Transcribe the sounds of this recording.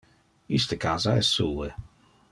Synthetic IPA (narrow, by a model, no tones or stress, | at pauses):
ist̪əkaːzaɛsuə